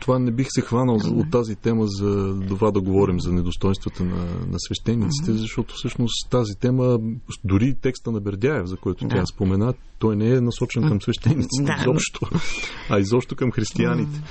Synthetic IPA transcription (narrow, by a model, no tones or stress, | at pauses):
t̪ovanɛbixsɛxvanəlˠot̪ːazit̪ɛməzɐd̪ovad̪ɐɡovɔɾimzɐnɛd̪ost̪ɔjnst̪vət̪ənɐ̰nɐ̰svɛʃt̪ɛnːit̪si̥t̪ɛzɐʃt̪ɔt̪ʊ̥fsɤʃnost̪azit̪ɛməd̪ʊɾit̪ɛkst̪ənɐbɛɾd̪ʲaɛfzɐkɔjt̪o̥t̪ʲjaspomɛna | t̪ɔjnɛɛnɐsɔt͡ʃɛnkɐmsvɛʃt̪ɛnːit̪sit̪ɛizɔpʃt̪oɐizɔpʃt̪okɐmxɾist̪ianit̪ɛ̥